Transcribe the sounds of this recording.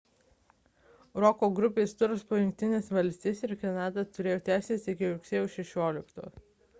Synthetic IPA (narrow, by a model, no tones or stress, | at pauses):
ɾɔkoːɡɾʊpʲeːst̪ʊɾspoːjʊŋʲk̚ʲt̪ʲɪnʲesʋɐlʲsʲt̪ʲeːsʲɪɾkɛnɑːd̪ɐt̪ʊɾʲeːjoːt̪ʲæːsʲeːsɪkʲɪɾʊkʲsʲeːjuːʃʲɛʃʲoːlʲɪkt̪o̰ː